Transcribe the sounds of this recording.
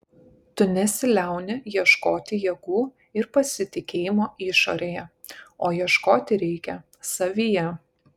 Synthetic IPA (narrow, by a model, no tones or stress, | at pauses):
t̪ʊnʲɛsʲɪlʲæˑʊnʲɪjiɛʃkoːt̪ʲɪjiɛɡ̥uː | ɪɾpɐsʲɪt̪ʲɪkʲeːjɪmoːɪʃo̰ːɾʲeːjɛ | oːjiɛʃkoːt̪ʲɪɾʲɛɪkʲɛ | sɐʋʲiːjɛ